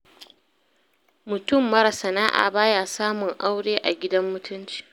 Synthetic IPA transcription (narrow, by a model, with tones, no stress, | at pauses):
mʊ˨tʊ˦˨mːɐ˦ɾa˨sɐ˨naː˦ʔa̰ː˨baː˦jaː˨saː˦mʊ˨ŋʔa˦wɽeː˦ʔa˨ɡʲɪ˦dɐ˦mːʊ˦tʰʊ˦nt͡ʃi̥˨